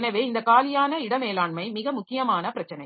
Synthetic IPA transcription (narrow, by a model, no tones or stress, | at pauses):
nɐʋeːɪnd̪ɐkaːlɪjaːnɐɪɽɐmeːlaːɳmɐɪmɪɣɐmʊkːɪjɐmaːnɐpɪɾɐt͡ʃːɐnɐɪ